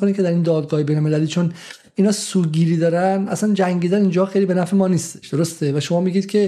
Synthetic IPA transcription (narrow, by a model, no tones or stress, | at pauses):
oniːcʰeæɾiːnd̪ɒːd̪ɡɒːhebejnolmelæliːt͡ʃʰon | inɒːsuːɡiːɾiːd̪ɒːɾænʔæ̰sænd͡ʒæŋɟiːd̪ænind͡ʒɒːxejliːbe̞næfemɒːniːst̪eʃd̪̥oɾost̪evæʃo̞mɒːmiɡiːd̪̥̚cʲʰe̞